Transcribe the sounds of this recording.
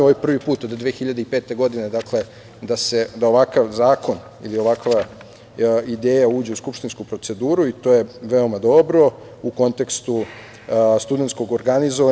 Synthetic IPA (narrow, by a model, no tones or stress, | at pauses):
oʋajpr̩ʋipuːt̪od̪d̪ːʋeːxiʎad̪eipeːt̪e̞ɡo̞d̪ined̪akle̞ | d̪ase̞d̪ao̞ʋakaʋzaːko̞n | ḭlio̞ʋakʋa | id̪eːjauːd͡ʑe̞uskupʃt̪inskupɾo̞t̪se̞d̪uːɾuit̪o̞ːjeʋe̞o̞mad̪o̞bɾo̞ | uko̞nt̪e̞kst̪u | st̪ud̪e̞nt̪ko̞ɡoɾɡanizoʋa